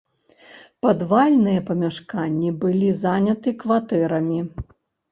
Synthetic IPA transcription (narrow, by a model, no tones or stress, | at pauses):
pɐd̪valʲnɨjɐpɐmʲaʂkanʲːibɨlʲizanʲɐt̪ɨkvat̪ɛɾɐmʲi